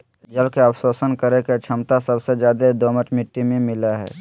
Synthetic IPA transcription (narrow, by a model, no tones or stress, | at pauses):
d͡ʒəlkeawsoːsənkəɾeket͡ʃʰəmt̪asəbsed͡ʒjaːd̪ed̪oːməʈmɪʈːimẽmɪlaɦɛ̰ː